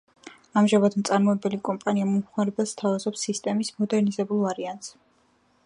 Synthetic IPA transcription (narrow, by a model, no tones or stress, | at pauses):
amʒamad̪mt̪sʼaɾmɔɛbɛlikʼɔmpʼaniamɔmχwaɾɛbɛst̪ʰavazɔpsːist̪ʼɛmismɔd̪ɛɾnizɛbulˠvaɾiant̪s